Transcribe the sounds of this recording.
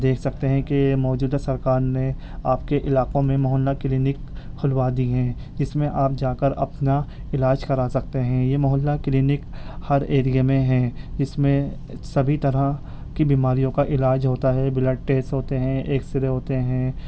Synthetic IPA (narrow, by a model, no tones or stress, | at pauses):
d̪eːkʰsɐk̚t̪eɦɛ̃kemɔːd͡ʒuːd̪asɐɾkaːɾne | aːp̚keʔɪlaːqõmẽmɐɦəlːakɪliːnɪkʰːʊlwad̪iɦɛ̃ː | d͡ʒɪsmẽʔaːp̚d͡ʒaːkəɾɐ̰pnaɪlaːd͡ʒkɐɾaːsɐk̚t̪eɦɛ̃jemɐɦəlːakliːnɪkhɐɾeːɾijemẽɦɛ̃ːd͡ʒɪsmẽ | sɐbʱit̪ɐɾã | kibiːmaːɾijõkaʔɪlaːd͡ʒɦoːt̪aɦɛbɪləɖ̚ʈeːsʈɦoːt̪eɦɛ̃ʔeːksɪɾeɦoːt̪eɦɛ̃ː